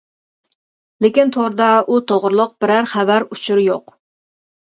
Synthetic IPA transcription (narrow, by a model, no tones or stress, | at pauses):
lekʲint̪ʰoɾd̪ɑut̪ʰoʁɾɨlˠʊq̚b̥ɪɾæɾχæbæɾut͡ʃʰuɾjoq